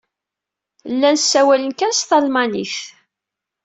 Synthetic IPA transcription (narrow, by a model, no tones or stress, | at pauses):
lːænsːæwælənkænst̪ɑlmɑniθ